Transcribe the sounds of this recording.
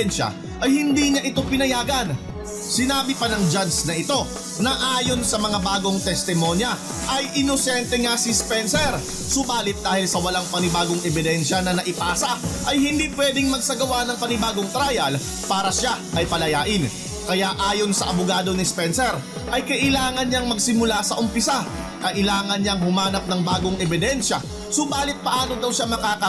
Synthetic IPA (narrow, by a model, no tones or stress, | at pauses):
ɛnʃɐ̰ | ʔɐjhɪnd̪iːɲaʔɪt̪o̞pɪnɐjaːɡɐn | sɪnaːbɪpɐnɐŋd͡ʒansnɐʔɪt̪o̞ | nɐʔaːjo̞nsɐmɐŋabaːɡo̞ŋt̪ɛst̪ɪmo̞njɐ | ʔɐjʔɪnosɛnt̪ɛŋasɪspɛnsɛɾ | sʊbaːlɪt̪̚d̪aːhɪlsɐwɐlaŋpɐnɪbaːɡoŋʔɛbɪd̪ɛnʃɐnɐnɐʔɪpaːsɐʔɐjhɪnd̪iːpwɛd̪ɪŋmɐɡ̚sɐɡɐwanɐŋpɐnɪbaːɡoŋt̪ɾajɐl | paːɾɐʃaʔɐjpɐlɐjaːʔɪn | kɐjaʔaːjo̞nsɐʔɐbʊɡaːd̪o̞nispɛnsɛɾ | ʔɐjkɐʔɪlaːŋɐnɲaŋmɐɡsɪmʊlasɐʔʊmpɪsa | kɐʔɪlaːŋɐnɲaŋhʊmaːnɐp̚nɐŋbaːɡoŋʔɛbɪd̪ɛnʃɐ | sʊbaːlɪt̪̚pɐʔaːnod̪ɐwʃamɐkaːkɐ